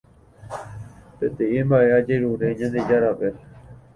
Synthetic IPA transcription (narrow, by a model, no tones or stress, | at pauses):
pet̪eʔembaʔe̞ad͡ʒeɾuɾeɲãnd̪ed͡ʒaɾape